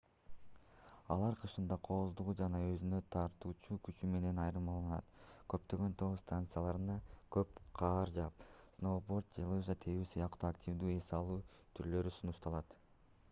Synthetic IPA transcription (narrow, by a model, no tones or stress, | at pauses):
ɑlˠɑɾqʰɯʃɯnd̪ɑqʰoːβuzd̪uʁud͡ʒɑnɑø̞zynø̞t̪ʰɑɾt̪uːt͡ʃukyt͡ʃyme̞ne̞nɑjɾɯmɑlˠɑnɑ̰t̪kø̞p̚t̪ø̞ɡø̞nt̪ʰo̞st̪ant̪sɨjalˠɑɾɯnɑkø̞pqʰɑːɾd͡ʒɑp̚snobo̞rt̪̚d͡ʒelˠɯʒat̪ʰejyːsɯjɑqt̪uːaktʲivd̪yːe̞sɑlˠuː | t̪ʰyɾlø̞ɾysunuʃt̪ɑlˠɑt̪